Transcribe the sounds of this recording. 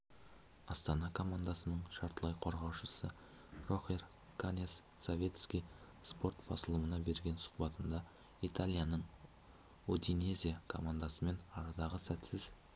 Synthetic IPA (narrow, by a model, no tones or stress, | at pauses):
ɑst̪ɑnɑkʰo̞mand̪asənəɴʃɑɾt̪əlˠɑjqʰo̞ɾʁɑwʃəsə | ro̞χer | kʰanʲesːovʲe̞t̪skʲij | spo̞rt̪b̥ɑ̰səlˠəmənɑbe̞ɾɡʲe̞nsʊ̥qbɑt̪ənd̪ɑ | it̪ʰalʲˠijanəɴ | ud̪inezʲijakʰo̞mand̪ɑsəme̞nɑɾɑd̪ɑʁəsæt̪sɪz